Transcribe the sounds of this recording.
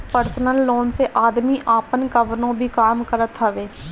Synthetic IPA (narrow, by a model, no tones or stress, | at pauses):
pəɾsnəlːoːnseʔaːd̪miːʔaːpənkəʋnõːbʱiːkaːmkəɾət̪ʰɦəʋeː